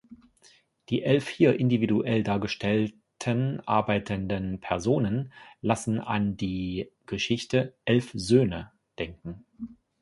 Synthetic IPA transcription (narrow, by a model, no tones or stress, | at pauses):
d̥iːʔɛlfhiːɐʔɪndividuʔɛldaːɐɡəʃtʰɛl | tʰənʔa̰ɐbaɪtʰəndənpʰɛɐzoːnənlasn̩a̰ndiːɡ̥əʃɪçtəʔɛlfzøːnə | d̥ɛŋkŋ̩